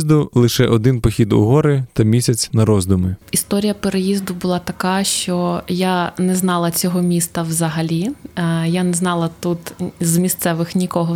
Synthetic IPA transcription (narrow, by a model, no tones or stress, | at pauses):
zd̪ʊlˠɪʃɛʔɔd̪ɪnpɔxʲid̪ʊ̰ɦɔɾɪt̪ɐmʲisʲɐt͡sʲnɐɾɔzd̪ʊmɪist̪ɔɾʲijɐpeɾejizd̪ʊbʊlˠɑt̪ɐkɑʃt͡ʃɔjanɛznɑlˠɐt͡sʲɔɦɔmʲist̪ɐwzɐɦɐlʲijanɛznɑlˠɐt̪ut̪zmʲist̪sɛʋɪxnʲikɔɦɔ